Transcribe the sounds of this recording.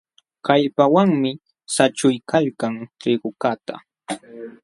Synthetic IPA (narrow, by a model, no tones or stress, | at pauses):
kaʎpawaŋmɪ | sat͡ʃʊjkaʎkaŋʈ͡ʂɪɢʊkat̪a̰